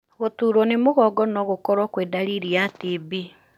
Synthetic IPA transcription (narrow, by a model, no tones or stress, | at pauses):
ɣotuːɾɔnemoɣɔɡɔnɔɣokɔɾɔkweːdaɾiɾiatibi